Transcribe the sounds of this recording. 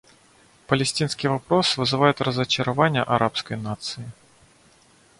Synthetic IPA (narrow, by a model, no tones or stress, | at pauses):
pəlʲɪsʲtʲinskʲɪjvɐpɾo̞svɨzɨvajʊt̪rəzət͡ɕɪɾɐvanʲɪjəʔɐɾʔapskəjnat̪sɨɪ